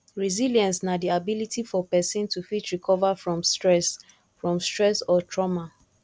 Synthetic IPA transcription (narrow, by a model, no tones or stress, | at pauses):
ɹiziljãnsnadiabilitifɔpɛsĩntufitɹikʰɔvafɹɔ̃mstɹɛs | fɹɔ̃mstɹɛsɔtʰɹɔma